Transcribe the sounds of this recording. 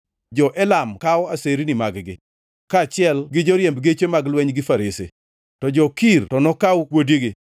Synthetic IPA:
d͡ʒɔʔɛlamkaɔaseɾinɪmaɡɡɪ̰ | kat͡ʃɪɛlɡɪd͡ʒoɾjembɡet͡ʃemaɡlwɛɲɡɪfaɾesḛ | tɔd͡ʒɔkirtɔnɔkawwodiɡɪ

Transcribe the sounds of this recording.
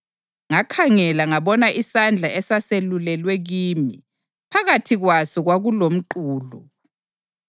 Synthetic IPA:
ŋakʰaŋɛlaŋaβɔnaʔisand͡ɮʱaɛsaselulɛlwɛɣiːmi | pʰaɣatʰiɣwasɔɣwaɣulom̩ǃuːlɔ̰

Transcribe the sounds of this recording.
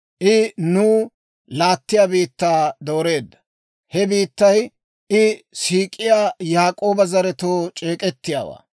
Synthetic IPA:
ʔɪnuː | laːt̪ːɪjaːbiːt̪ːaːd̪o̞ːɾe̞ːd̪ːɐ̥ | hɛbiːt̪ːɐj | ʔɪsiːkʼɪjaːjaːkʼo̞ːbɐzɐɾɛt̪oːt͡ʃʼe̞ːkʼɛt̪ːɪja̰ːwa̰ː

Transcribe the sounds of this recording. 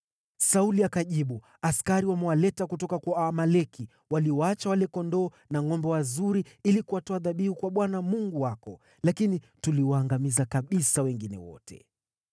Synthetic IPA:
sauliakaʄiɓu | askaɾiwamɛwalɛtakutɔkakwaamalɛkʰi | waliɔat͡ʃawalɛkɔndɔː | naŋɔmbɔwazuɾiilikuwatɔaðaɓihukwaɓwanamuŋɡuwakɔ | lakini | tuliwaːŋɡamizakaɓisawɛŋɡinɛ̰wɔ̰tʰɛ̰

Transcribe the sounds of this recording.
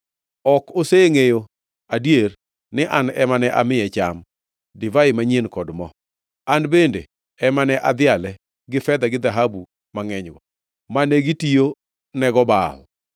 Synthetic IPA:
ɔkoseŋejo | adjer | nɪʔanɛmanɛʔamɪɛt͡ʃam | dɪvaɪmaɲenkɔdmɔ | anbendḛ | ɛmanɛʔad̪ɪalɛ | ɡɪfɛd̪aɡɪd̪aɦabu | maŋɛɲɡɔ | maneɡitijo | nɛɡɔbal

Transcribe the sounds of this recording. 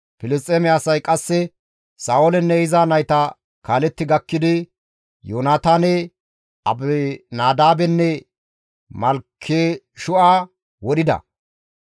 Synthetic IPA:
pɪlɪstʼeːmɛɐsɐjkʼɐsːɛ | saːwɔlɛnːɛhɪzaːnɐjt̪ɐ | kaːlɛt̪ːɪɡɐkːɪd̪ɪ | joːnaːt̪aːnɛ | ɐ̰bɛnaːd̪aːbɛnːɛ | mɐlkʰːeː | ʃʊʔaː | wɔɗɪd̪ɐ̰

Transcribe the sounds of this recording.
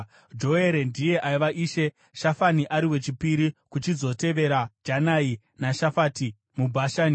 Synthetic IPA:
d͡ʒo̞e̞ɾe̞ndije̞ʔaiʋaʔiːʃe̞ | ʃafaniʔaɾiwe̞t͡ʃipiɾikut͡ʃizo̞te̞ʋe̞ɾad͡ʒanai | naʃafati | mubʱaʃaːni

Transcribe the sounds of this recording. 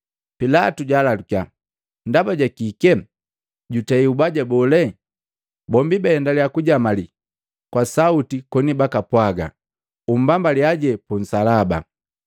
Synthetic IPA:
pilatuɟalalukja | ndabaɟakikɛ | ɟutaiubaɟabɔlɛ | bɔmbibɛɛndalijakuɟamali | kwasautikɔnibakapwaɡa̰ | um̩bambaliaɟɛpun̩salaba̰

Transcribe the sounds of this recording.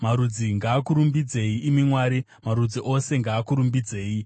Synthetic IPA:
maɾud͡ziŋɡaːkuɾumbid͡ze̞iimimwaːɾi | maɾud͡ziʔo̞se̞ŋɡaːkuɾumbid͡ze̞ːji

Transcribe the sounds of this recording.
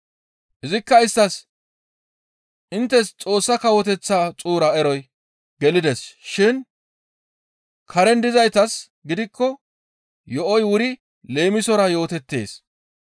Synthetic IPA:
ʔɪzɪkːɐɪst̪ːɐs | ʔɪnt̪ːɛst͡sʼo̞ːsːɐkɐwɔt̪ɛt͡sːaːt͡sʼuːɾɐɛɾɔj | ɡɛlɪd̪ɛsʃɪn | kʰɐɾɛnd̪ɪzɐjt̪ɐs | ɡɪd̪ɪkːɔ | jɔʔɔjwʊɾɪ | le̞ːmɪsɔɾɐjo̞ːt̪ɛt̪ːe̞̰ːs

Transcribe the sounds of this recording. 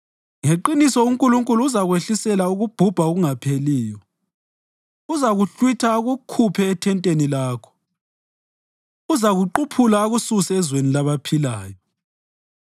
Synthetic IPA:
ŋeǃinisɔuŋkʼuluŋkʼuluːzaɣweɬisɛlauɣub̥ʱub̥ʱauɣuŋapʰeliːjɔ | uzaɣuɬwitʰaɣukʰupʰɛːtʰɛntʼenilaːkʰɔ̥ | uzaɣuǃupʰulaːɣususɛːzwenilaβapʰilaːjɔ

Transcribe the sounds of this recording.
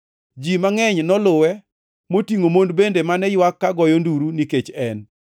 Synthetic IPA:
d͡ʒimaŋɛɲnɔlʊwɛ | motiŋomondbendemanɛjwakːaɡɔjonduɾuniket͡ʃɛn

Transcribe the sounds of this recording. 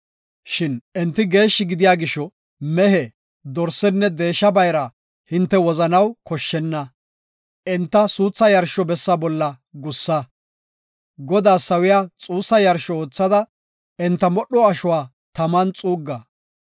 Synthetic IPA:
ʃɪnɛnt̪ːɪɡe̞ːʃːɪɡɪd̪ɪjaːɡɪʃːɔ | mɛɦɛ | d̪ɔɾsɛnːɛd̪e̞ːʃːɐbɐjɾɐ | hɪnt̪ːɛwɔzɐnɐwkɔʃːɛnːɐ | ʔɛnt̪ːɐsuːt͡sːɐjɐɾʃɔbɛsːɐbɔlːɐ | ɡʊsːɐ | ɡɔd̪aːsɐwɪjaːt͡sʼuːsːɐjɐɾʃɔoːt͡sːɐd̪ɐ | ɛnt̪ːɐmɔɗɔɐʃʊwaː | t̪ɐmɐnt͡sʼuːɡːɐ

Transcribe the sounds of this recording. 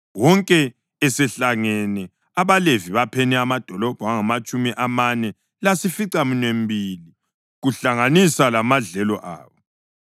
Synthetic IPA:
wɔŋkʼɛ | ɛsɛɬaŋɛnɛ | aβaleviβapʰɛnɛamad̥ʱɔlɔb̥ʱaŋamat͡ʃʼumiʔamanɛ | lasifiǀaminem̩bʱiːli | ɣuɬaŋanisalamaɮɛlɔʔa̰ːβɔ

